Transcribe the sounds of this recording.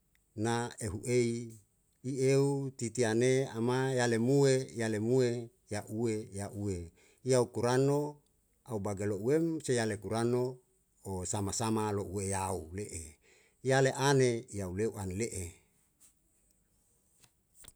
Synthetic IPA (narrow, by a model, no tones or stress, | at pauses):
naeɦuʔei | ieut̪it̪ianeamajalemuejalemue | jaʔuwejaʔue | jaukuɾano | aubaɡalouwemsejalekuɾano | osamasamaloʔuejauleʔe | jaleʔanejauleuʔaneleʔe